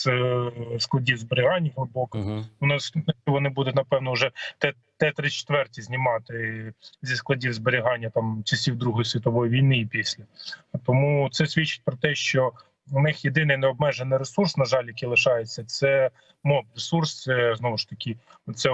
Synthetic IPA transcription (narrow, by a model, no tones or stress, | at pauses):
z̥ | sklˠɐdʲiwzbeɾʲɪɦɑnʲːɐɦlˠɪbɔkɐʊnɪsnɐt͡ʃɔʋɔnɪbud̪ʊtʲnɐpɛwnɔʊʒɛt̪ɛ | t̪ːɛt̪ɾɪt͡ʃe̥t̪ʋɛrtʲizʲnʲɪmɑt̪ɪzʲisklˠɐdʲiwzbeɾʲɪɦɑnʲːɐt̪ɑmt͡ʃɐsʲiwd̪ɾuɦɔjisʲʋʲit̪ɔʋɔjiʋʲijnɪipʲisʲlʲɐt̪ɔmut̪sɛsʲʋʲit͡ʃɪ̥t̚ʲpɾɔt̪ɛʃt͡ʃɔ | nɪxjed̪ɪnɪjnɛɔbmɛʒenɪjɾesursnɐʒɑlʲjɐkijlˠɪʃɑjet͡sʲːɐt̪sɛ | mɔpresurst͡s̪sɛznɔʋʊʃt̪ɐkʲɪ | ɔt̪sɛ